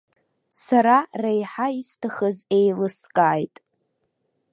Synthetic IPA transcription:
saɾarejħaistʰaχəzejlɨskʼaːjtʼ

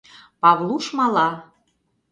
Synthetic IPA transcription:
pɑβlˠuʃmɑlɑ

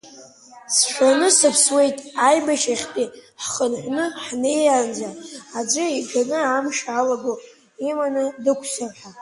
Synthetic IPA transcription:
sʃʷᶣanɨsɨpʰswe̞jtʼajbaʃaχʲpʼiħχənħʷnɨħne̞jand͡zaad͡ʒʷɨiɡanɨamʂalaɡo | imanɨdɨkʷʰsarħʷa

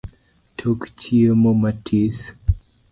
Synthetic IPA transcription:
tʰokt͡ʃʰiemomatʰis

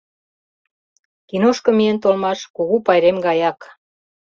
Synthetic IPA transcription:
kinoʃkɤ̆mient̪olmɑʃkuɣupɑjɾemɡɑjɑk

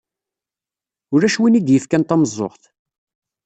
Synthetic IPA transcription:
ʊɾæʃwinid̪jəfkænt̪ɑməzˤːo̰χθ

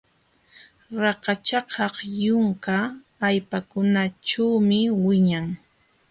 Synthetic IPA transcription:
ɾɑqɑt͡ʃɑqʰɑqjʊŋkaː | jpakʊnaʈ͡ʂawmɪwɪɲaŋ

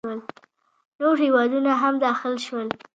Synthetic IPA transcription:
wəl | noɾhewɑd̪unaɦamd̪ɑxɪlʃwəl

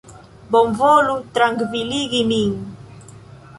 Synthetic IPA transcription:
bɔmvolut̪ɾaŋɡviliɡiniŋ

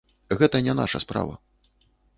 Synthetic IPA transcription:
ɣɛt̪ɐnʲɛna̰ʂɐspɾa̰vɐ̰

